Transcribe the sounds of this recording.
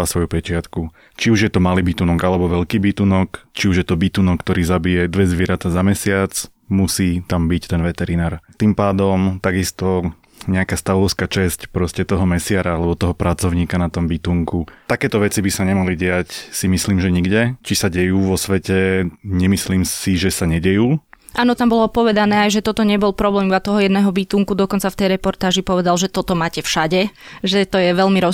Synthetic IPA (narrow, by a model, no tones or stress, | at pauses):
asʋɔjupɛt͡ʃɪat̪ku | t͡ʃiuʒjɛt̪ɔmaliːbit̪unɔɡalɛbɔʋɛʎkiːbit̪uːnɔkt͡ʃiuʒjɛt̪ɔbit̪uːnɔkːt̪ɔɾiːzabijɛd̪ʋɛzʋɪɛɾat̪azamɛsɪat͡s | musiːt̪ambict̪ɛnʋɛt̪ɛɾinaːɾt̪impaːd̪ɔmt̪aɡist̪ɔ | ɲɛakaːst̪aʋɔʊskaːt͡ʃɛscpɾɔscɛt̪ɔɦɔmɛsɪaɾaalɛbɔt̪ɔɦɔpɾʔat͡sɔʊɲiːkanat̪ɔmbit̪uŋkut̪akɛːt̪ɔʋɛt͡sibisaɲɛmaliɟɛacsimisliːmʒɛɲiɡɟɛt͡ʃisaɟɛjuːʋɔsʋɛcɛɲɛmisliːmsiʒɛsaɲɛɟɛjuː | ʔaːnɔt̪ambɔlɔpɔʋɛd̪anɛːajʒɛt̪ɔt̪ɔɲɛbɔlpɾɔblɛːmuat̪ɔɦɔjɛd̪nɛːɦɔbiːt̪uːŋkud̪ɔkɔnt͡saft̪ɛjɾɛpɔɾt̪aːʒipɔʋɛd̪alʒɛt̪ɔt̪ɔmaːcɛfʃaɟɛʒɛt̪ɔjɛʋɛlmiɾɔ